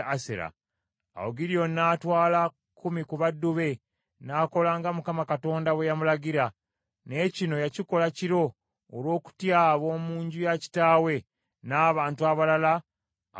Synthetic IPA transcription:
asḛɾa̰ː | oɡiɾijo̞naːtwaːla | kʰːumikuβadːuβe̞ | naːko̞laːŋɡamukamakato̞ːndawe̞jamulaɡiɾa | ne̞cino̞jaciko̞laciɾo̞ː | lwo̞ːku̥tjaβo̞ːmuːɲɟujaci̥taːwe̞ | naːβaːntuaβalala

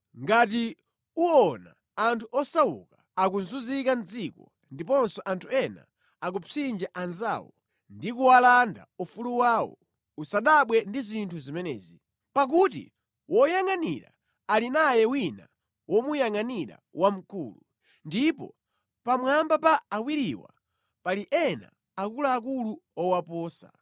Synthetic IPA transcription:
ŋɡat̬i | uɔna̰ | antʰuɔsawṵka | akunzuzikand͡zikɔ | ndipɔnsɔʔantʰuɛna̰ | ak̬upind͡ʒaʔanza̰ːwɔ | ndikuwalanda̰ufuluwaːwɔ̰ | usaɗaɓwɛndizintʰuzimɛnɛ̰ːzi | pak̬utḭ | wɔjaŋanḭɾa̰ | alinajɛwina̰ | wʔɔmujaŋaniɾa̰wʔam̩kṵːlu | ndipɔ̰ | pamwambapaːwiɾiwa̰ | paliʔɛna̰ | akulaːk̬uluɔwapɔːsa̰

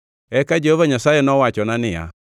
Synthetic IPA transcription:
ɛkad͡ʒɛhɔvaɲasajenɔwat͡ʃɔnanɪa̰

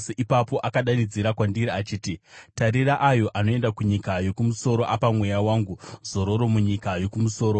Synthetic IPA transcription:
seʔipapo̞ʔakaɗanid͡ziɾakwandiɾiat͡ʃiːtitaɾeɾaʔajo̞ʔano̞e̞ndakuɲikajo̞kumuso̞ɾo̞ʔapamwe̞jawaːŋɡuzo̞ɾo̞ɾo̞muɲikajo̞kumuso̞ːɾo

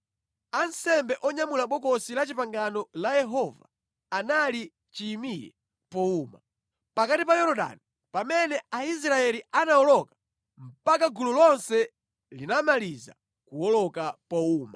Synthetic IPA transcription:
ansɛmbɛʔɔɲamulaɓɔkɔsilat͡ʃipaŋɡanɔlajɛɦɔva̰ː | nali | t͡ʃiːmiɾɛ̰ | pɔuma̰ | pakatipajɔɾɔɗa̰ni | pamɛnɛais̬ɾaɛlianaɔlɔkḁ | m̩pakaɡululɔnsɛ | linamaliza̰ | kuɔlɔkapɔuːma

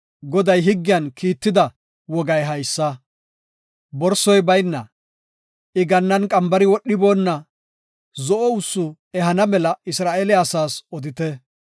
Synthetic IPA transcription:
ɡɔd̪ɐjɦɪɡːɪjɐnkʰiːt̪ːɪd̪ɐ | wɔɡɐjɦɐjsːɐ | bɔɾsːɔjbɐjnːɐ̰ | ɪɡɐnːɐnkʼɐmbɐɾɪwɔɗːɪbo̞ːnːɐ | zɔʔɔʊsːʊ | ɛɦɐnɐmɛlɐɪsɾaːʔelɪasaːsɔd̪ɪt̪ɛ

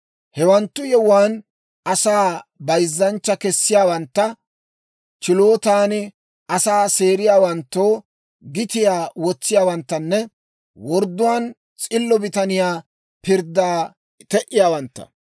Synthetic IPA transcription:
hɛwɐnt̪ːʊjɛwaːn | ɐsaːbɐjzːɐnt͡ʃːɐkɛsːɪjaːwɐnt̪ːɐ | t͡ʃɪlo̞ːt̪aːn | ʔɐsaːseːɾɪjaːwɐnt̪ːoː | ɡɪt̪ɪjaːwɔt͡sːɪjaːwɐnt̪ːɐnːɛ | wɔɾd̪ːʊwaːn | t͡sʼɪlːɔbɪt̪ɐnɪjaː | pɪɾd̪aː | t̪ɛʔɪjaːwɐnt̪ːɐ̥̰

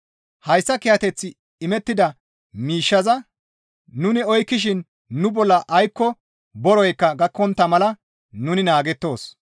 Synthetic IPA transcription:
hɐjsːɐkɪjɐt̪ɛt͡sːɪ | ɪmɛt̪ːɪd̪ɐ | miːʃːɐzɐ | nʊnɪɔjkːɪʃ̬ɪnː | ʊbɔlːɐʔɐjkːɔ | bɔɾɔjkːɐɡɐkːɔnt̪ːɐmɐlɐ | nʊnɪnaːɡɛt̪ːo̞ːs

